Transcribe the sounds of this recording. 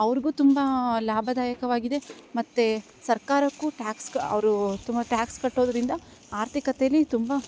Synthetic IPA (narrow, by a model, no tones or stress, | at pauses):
ɐʋɐɾiɡuːt̪umbɐlaːbʱɐd̪aːjɐkɐʋaːɡid̪e̞mɐt̪ːe | sɐɾkaːɾɐkːuʈjaːkskɐɐ̰ʋɐɾut̪umbɐʈjaːkskɐʈːoːd̪ɐɾind̪ɐ | aːɾt̪ʰikɐt̪ɛjɐlːit̪umbɐ